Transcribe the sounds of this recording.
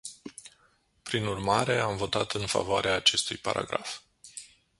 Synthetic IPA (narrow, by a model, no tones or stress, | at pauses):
pɾinurmaɾe̞amvo̞t̪at̪ɨnfa̰voaɾeaːt͡ʃe̞st̪ujpa̰ɾa̰ɡɾa̰f